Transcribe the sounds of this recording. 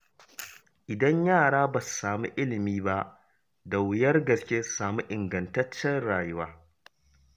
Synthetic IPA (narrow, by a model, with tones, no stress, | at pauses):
ʔɪ˨dɐ˦ɲjaː˦˨ɽaː˦ba˨ssaː˨mṵ˦ʔɪ˦lɪ˨miː˦ba˦ | da˨wʊ˨˦jɐ˦rɡɐ˨skʲeː˦saː˨mu˦ʔɪ˨ŋɡɐ˨ntɐ˦t͡ʃːɛ˦nɽaː˨jʊ˦waː˦